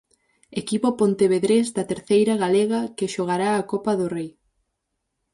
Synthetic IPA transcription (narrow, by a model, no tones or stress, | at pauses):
ekipopont̪eβeðɾezd̪ɐt̪eɾθejɾɐɣaleɣɐkɪʃoɣaɾaːkopɐðʊrej